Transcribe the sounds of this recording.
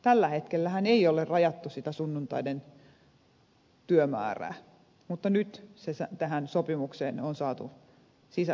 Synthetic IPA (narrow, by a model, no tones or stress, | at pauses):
t̪ælːæhet̪kelːæhæneiolerrɑjɑt̪ːusit̪æsunːunt̪ɑ̰iden | t̪yømæ̰ːræ̰ː | mut̪ːɑnyt̪sesæt̪æhænsopimukseːnonsɑːt̪ṵ | sisæ